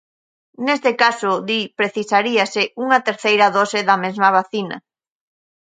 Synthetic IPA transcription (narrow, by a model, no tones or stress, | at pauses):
nest̪ɪkasʊðipɾeθisaɾiasɪʔuŋɐt̪eɾθejɾɐðɔsɪðɐmezmɐβ̞aθinɐ̰